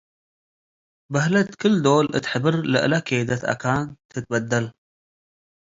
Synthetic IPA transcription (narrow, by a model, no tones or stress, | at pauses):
bɐɦlɐt̪kʰɨld̪oːlʔɨ̰t̪ħəbɨɾlɨʔɨ̰lɐkʰeːd̪ɐt̪ɐ̰kʰaːnt̪ʰɨt̪̚bɐd̪ːɐl